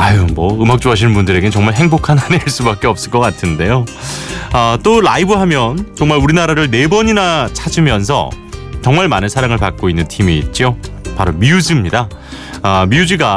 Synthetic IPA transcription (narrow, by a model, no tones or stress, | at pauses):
ajomʌɯmak̚t͡ɕ͈oɦaɕ̬ʰinmbundɯɾe̞ɡe̞t͡ɕʌŋmaɭɦe̞ŋbokʰanɦaneaɭs͈ubak͈eʌp̚s͈ɯɭk͈ʌk͈atʰɯnde̞jo | ʌt͈oɾa̰ibɯɦamjʌnt͡ɕʌŋmaɭuɾinaɾaɾɯɭne̞bʌɲinat͡ɕʰad͡ʑimjʌnsʰʌ̰ | t͡ɕʌŋmaɭmanɯnsʰaɾaŋɯɭpak̚k͈oinːɯntʰimiːt̚t͡ɕ͈iopaɾomiud͡ʑimɲida | miud͡ʑiɡa